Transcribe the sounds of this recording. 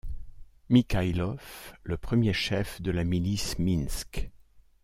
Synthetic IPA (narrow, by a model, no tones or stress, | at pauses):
mikajlɔfləpχəmjeʃɛfd̪əlamilisminsk